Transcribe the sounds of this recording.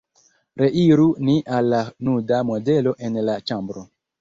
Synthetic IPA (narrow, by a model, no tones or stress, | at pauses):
ɾe̞ʔiɾuniʔalːanudamo̞de̞lo̞ʔe̞nlat͡ʃambɾo